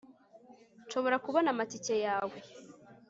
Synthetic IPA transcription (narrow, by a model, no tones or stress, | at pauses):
nʃo̞βo̞ɾakuβonamaticejaːwe